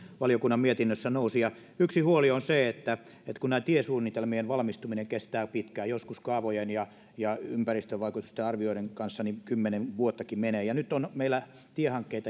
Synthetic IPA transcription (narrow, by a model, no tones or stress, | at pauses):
ʋɑlijokunːɑmmiet̪inːøsːænousijɑ | yksihuolionseet̪ːæ | et̪kunnæːt̪iesuːnːit̪elmienʋɑlmist̪umineŋkest̪æːpit̪kæːjoskuskɑːʋojenjɑ | jɑympærist̪øʋʋɑikut̪ust̪eɑrʋioiɾeŋkɑnsːɑnikymːenenʋuot̪ːɑkimeneːjɑnyt̪onmeilːˑæ | t̪iehɑŋkːeit̪ɑ